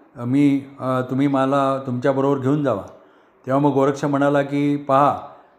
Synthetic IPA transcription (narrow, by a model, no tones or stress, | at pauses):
miːt̪um̤iːmalat̪umt͡ɕjabəɾobəɾɡʱeuːnd͡zaʋa̰ | t̪eʋ̤aməɡoɾəkʂəm̤əɽ̃alakiːpaɦa